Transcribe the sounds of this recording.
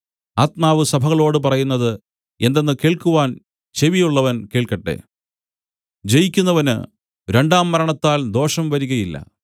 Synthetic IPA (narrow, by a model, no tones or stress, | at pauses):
aːt̪maːʋɨsɐbʱɐɣɐɭo̞ːɽɨp̬ɐrɐjunːɐðɨ | end̪e̞nːɨke̞ːɭkuʋaːn | t͡ɕe̞ʋijuɭːɐʋɐnke̞ːɭkɐʈːe̞̰ | d͡ʑe̞jikʲːunːɐʋɐnɨ̰ | ɾe̞ɳɖaːmːɐɾɐɳɐt̪ːaːld̪o̞ːʂɐmʋɐɾuɣɐjilːɐ̰